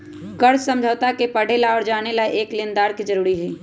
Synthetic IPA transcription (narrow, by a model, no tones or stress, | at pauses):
kəɾssə̃md͡ʒʱət̪akepəɽ̤elaɔɾd͡ʒaːnelaeʔeːklɪnd̪aːɾkid͡ʒəɾuːɾiɦɛː